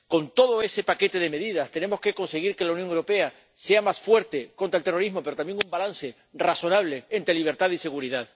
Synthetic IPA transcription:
ko̞nt̪o̞ðo̞e̞se̞pake̞t̪e̞ð̞eme̞ðiðast̪e̞ne̞mo̞ske̞ko̞nse̞ɣiɾke̞launjoŋewɾo̞pe̞a | se̞amasfwe̞ɾt̪e̞ko̞nt̪ɾelt̪e̞ro̞ɾiɦmo̞peɾot̪ambje̞ŋumbalanse̞ | raso̞naβ̞le̞ːnt̪ɾeliβ̞e̞ɾt̪aðise̞ɣ̞uɾiðað

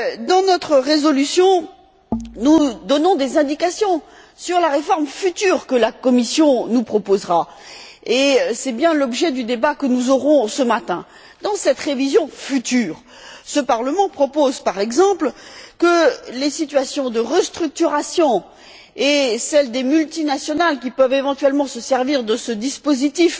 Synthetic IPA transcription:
d̪ɑ̃nɔt̪χəʁezɔlysjɔ̃ | nud̪ɔnɔ̃d̪ezɛ̃d̪ikasjɔ̃ | syʁlaʁefɔʁmfyt̪yːʁkəlakɔmisjɔ̃nupχɔpozʁa | esɛbjɛ̃lɔbʒɛd̪yd̪ebakənuzɔʁɔ̃səmat̪ɛ̃ | d̪ɑ̃sɛt̪ʁevizjɔ̃fyt̪yːʁ | səpaʁləmɑ̃pχɔpozpaʁɛɡzɑ̃plkəlesit̪ɥasjɔ̃d̪əʁəst̪χyk̚t̪yʁasjɔ̃ | esɛld̪emylt̪inasjɔnalkʲipœvevɑ̃t̪ɥɛlmɑ̃səsɛʁviʁd̪əsəd̪ispozit̪if

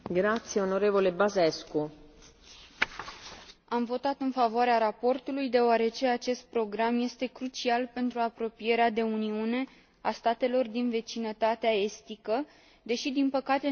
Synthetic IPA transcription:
ɡɾat̪sjeonoɾevolebazesku | amvo̞t̪at̪ɨnfavoaɾeaɾapo̞rt̪ulujd̪e̞oaɾe̞t͡ʃe̞at͡ʃe̞st̪̚pɾo̞ɡɾamje̞st̪e̞kɾut͡ʃialpe̞nt̪ɾuapɾo̞pije̞ɾead̪e̞uniune̞ | ast̪at̪e̞lo̞rd̪inve̞t͡ʃinət̪at̪eae̞st̪ikə | d̪e̞ʃid̪inpəkat̪e

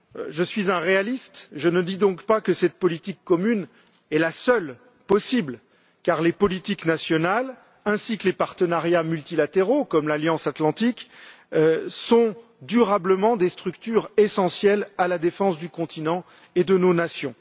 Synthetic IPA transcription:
ʒəsɥizɛ̃ʁealist̪ʒənəd̪id̪ɔ̃kpakəsɛt̪̚pɔlit̪ikːɔmyn | ɛlasœl | pɔsibl | kaʁlepɔlit̪iknasjɔnal | ɛ̃sikəlepaʁt̪ənaʁjamylt̪ilat̪eʁokɔmlaljɑ̃sat̪lɑ̃t̪ik | sɔ̃ | d̪yʁabləmɑ̃d̪est̪χykt̪yʁesɑ̃sjɛlalad̪efɑ̃sd̪ykɔ̃t̪ʰinɑ̃ | ed̪ənonasjɔ̃

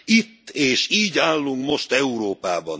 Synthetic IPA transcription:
it̪ːeːʃiːɟaːlːuŋkmo̞ʃt̪ɛuɾoːpaːbɒn

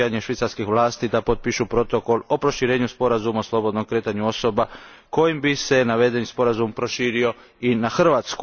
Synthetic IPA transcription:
aɲeʃʋit̪saɾskixʋlaːst̪id̪apo̞t̪̚piʃupɾo̞t̪o̞ko̞lo̞pɾo̞ʃiɾe̞ːɲuspo̞ɾazumaoslˠo̞bo̞d̪no̞mkɾe̞ːt̪aɲuo̞so̞ba | ko̞jimbise̞naʋe̞d̪e̞nispo̞ɾazumpɾo̞ʃiːɾio̞ | inaxr̩ʋaːt̪sku

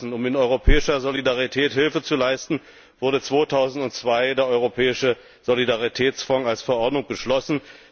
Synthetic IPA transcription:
sn̩ʊmɪnɔʏʁopʰɛːɪʃɐzolidaʁitʰɛːthɪlfət͡sulaɪstn̩ | v̥ʊɐɾət͡sv̥oːtʰaʊzn̩tʊnt͡sv̥aɪdeːɐʔɔʏʁopʰɛːɪʃə | z̥olidaʁitʰɛːt͡sfaŋalsfɛɐʔɔɐdnʊŋb̥əʃlɔsn̩

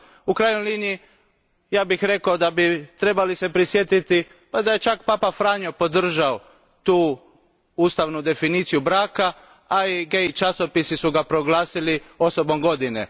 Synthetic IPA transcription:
ukɾaːjnojliːnii | jaːbixɾe̞kaod̪abit̪ɾe̞balise̞pɾisjet̪it̪i | pad̪ajet͡ʃakpaːpafɾaːɲopo̞d̪r̩ʒao | t̪uː | uːst̪aʋnud̪e̞finiːt̪sijubɾaːka | aiɡeit͡ʃaso̞pisisuɡapɾo̞ɡlˠaːsilio̞so̞bo̞mɡo̞d̪inḛ

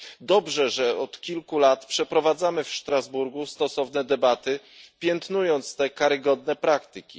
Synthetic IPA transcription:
d̪ɔbʐɛʐɛɔt̪kʲilkulat̪pʂɛpɾɔvad̪zamɘfʂt̪ɾazbuɾɡust̪ɔsɔvnɛd̪ɛbat̪ɘ | pʲjɛnt̪nujɔnt̪st̪ɛkaɾɘɡɔd̪nɛpɾakt̪ɘkʲḭ

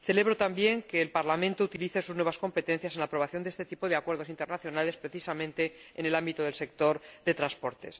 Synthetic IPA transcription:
θe̞le̞β̞ɾot̪ambje̞ŋke̞ːlpaɾlamẽnt̪out̪iliθe̞suznwe̞β̞asko̞mpe̞t̪e̞nθjase̞nlaːpɾoβaθjond̪est̪e̞t̪ipoðeakwe̞ɾð̞oint̪e̞ɾnaθjonale̞spɾe̞θisamẽnt̪e̞ene̞lambit̪oð̞e̞lse̞k̚t̪o̞ɾðe̞t̪ɾanspo̞ɾt̪e̞̰s

